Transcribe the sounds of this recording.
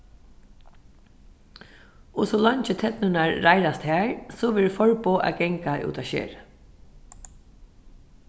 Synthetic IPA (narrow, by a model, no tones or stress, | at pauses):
ɔsɔlɑɲt͡ʃɪt̪ʰɛt̪nʏnaɹːajɾast̪hɛːɹsɔʋɛːɹfɔɹpoːʔa̰ɡɛŋkaʔṵːt̪aʃḛːɹ